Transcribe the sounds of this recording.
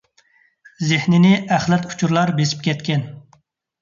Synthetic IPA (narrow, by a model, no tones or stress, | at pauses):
zɪhnɪnɪʔæχlɛt̪ʰu̥t͡ʃʰuɾlˠɑɾbesi̥p̚kʲʰɛt̪kʲɛn